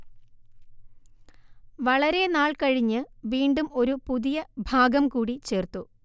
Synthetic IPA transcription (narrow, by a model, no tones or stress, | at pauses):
ʋɐɭɐɾe̞naːɭkɐɻiɲːɨʋiːɳɖumo̞ɾupuðijɐbʱaːɡɐmkuːɽit͡ɕe̞ːrt̪ːu